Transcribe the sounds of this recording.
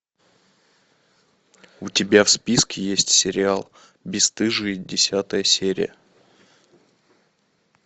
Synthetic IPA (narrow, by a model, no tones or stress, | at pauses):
ʊtʲɪbʲafspʲiskʲɪjesʲtʲsʲɪɾʲɪalˠ | bʲɪst̪ɨʐɨdʲɪsʲat̪əjəsʲeɾʲɪ̰jə̰